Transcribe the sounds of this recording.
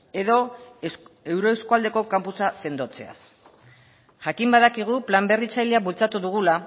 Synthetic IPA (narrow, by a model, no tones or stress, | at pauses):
e̞ðo̞ | e̞wɾo̞eskuald̪e̞ko̞kampusase̞nd̪o̞t͡se̞̰a̰s | ʝakimbaðakiɣ̞uplambe̞rit͡sajleaβult͡sat̪uðuɣ̞ula